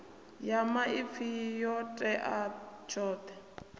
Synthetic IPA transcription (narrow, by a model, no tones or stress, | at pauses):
jamaipfijɔtʼɛʔat͡ʃʰɔːt̪ɛ